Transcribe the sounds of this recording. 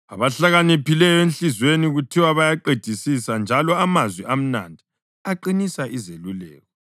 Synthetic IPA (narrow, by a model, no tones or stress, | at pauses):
a̰βaɬaɣanepilɛjɔenɬizweniɣutʰiwaβajaǃed̥ʱisisand͡ʒʱalɔamazwiʔam̩na̰ndʱi | aǃinisaʔizelulɛ̰ːɣɔ